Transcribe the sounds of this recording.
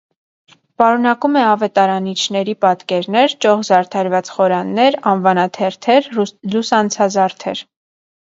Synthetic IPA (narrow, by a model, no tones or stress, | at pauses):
pɑɾunɑkumɛɑvɛt̪ɑɾɑnit͡ʃʰnɛɾipɑt̪kɛɾnɛɾt͡ʃɔʁzɑɾt̪ʰɑɾvɑt͡sχɔɾɑnːɛɾɑnvɑnɑt̪ʰɛɾt̪ʰɛɾlusɑnt͡sʰɑzɑɾt̪ʰɛ̰ɾ